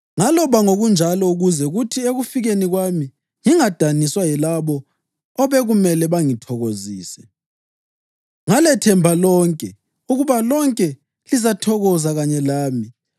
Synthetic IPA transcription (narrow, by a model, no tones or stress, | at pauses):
ŋalɔβaŋoɣund͡ʒʱalɔuɣuzɛuɣutʰieɣufiɣeniɣwami | ŋiŋad̥ʱaniswajɛlaβɔː | βɛɣumɛlɛβaŋitʰɔɣoziːsɛ | ŋalɛtʰɛmbʱalɔːŋkʼɛ | uɣuβalɔŋkʼɛ | lizatʰɔɣɔzaɣaɲɛlaːmi